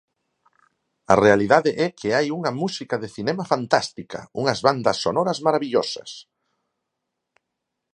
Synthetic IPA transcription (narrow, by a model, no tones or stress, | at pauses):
ɐ̰realiðaðɪʔɛkʰeajuŋɐmusikɐðeθinɛmafant̪ast̪ikɐ̰uŋɐzβand̪ɐsːonɔɾɐzmaɾaβiʎosɐ̰s